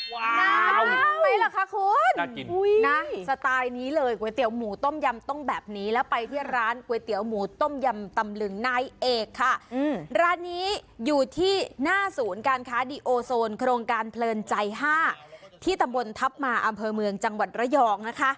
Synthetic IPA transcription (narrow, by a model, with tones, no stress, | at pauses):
waː˧˥a˧˥a˥˩la˨˩kʰa˦˥kʰu˧nna˦˥sa˧t̪aː˧jniː˦˥lɤː˧jku˨˩˦t̪i˨˩˦wmuː˩˦t̪o˥˩mja˧mt̪o˥˩ŋbɛː˨˩p̚niː˦˥lɛː˦˥wpa˧jt̪ʰiː˥˩ɾaː˦˥nku˩˦t̪i˨˩˦əwmuː˩˦t̪o˥˩mja˧mt̪a˧mlɯ˧ŋnaː˦˧˩jʔeː˧˩kʰːa˥˩˧ɾaː˦˥nːiː˦˥juː˨˩t̪ʰiː˥˩naː˥˩suː˩˦nkaː˧nkʰaː˦˥diː˧ʔoː˧soː˧nkʰɾoː˧ŋkaː˧npʰlɤː˧nt͡ɕa˧jɦaː˥˩t̪ʰiː˥˩t̪a˧mbo˧nt̪ʰa˦˥p̚maː˧ʔa˧mpʰɤː˧mɯ˧əŋt͡ɕa˧ŋwa˨˩t̪̚ɾa˦˥jɔː˧k̚na˦˥kʰa˦˥ʔ